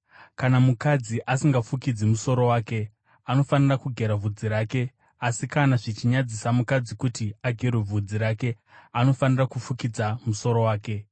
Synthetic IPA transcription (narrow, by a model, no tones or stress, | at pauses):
kanamukad͡ziʔasiŋɡafukid͡zimuso̞ɾo̞waːke̞ | ano̞fanirakuɡʱe̞ɾavʱud͡ziɾaːke̞ | asikanaʐit͡ʃiɲad͡zisamukad͡zikutiaɡʱerwe̞b͡vʱud͡ziɾaːke̞ | ano̞fanirakufukid͡zamuso̞ɾo̞waːke̞